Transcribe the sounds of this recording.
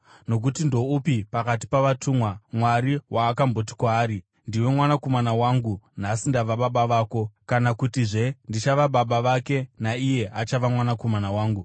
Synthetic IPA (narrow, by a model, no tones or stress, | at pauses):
no̞k̬utindo̞upipakat̬i̥paʋatʰumwamwaɾiwaːkambo̞t̬i̥kwaːɾi | ndiwe̞mwanako̞manawaŋɡun̤asindaʋaɓaɓaʋaːko̞kanakutiʐe̞ndit͡ʃaʋaɓaɓaʋake̞naije̞ʔat͡ʃaʋamwanako̞manawaːŋɡu